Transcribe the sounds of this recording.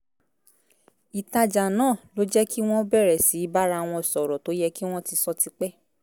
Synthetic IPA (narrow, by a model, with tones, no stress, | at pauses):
i˨ta˧d͡ʒa˨nãː˦˨lo˦d͡ʒɛ˦ki˦w̃ɔ̃˦bɛ˦˨ɾɛ˨si˨˦i˦ba˦ɾa˧˨w̃ɔ̃˧˨sɔ˨ɾɔ˨to˨˦jɛ˦ki˦w̃ɔ̃˦ti˧sɔ˦ti˧k͡pɛ˦